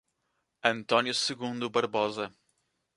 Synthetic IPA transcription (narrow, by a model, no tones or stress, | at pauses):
ɐ̃nt̪ɔnjusɨɣũnd̪ubɐɾβɔzɐ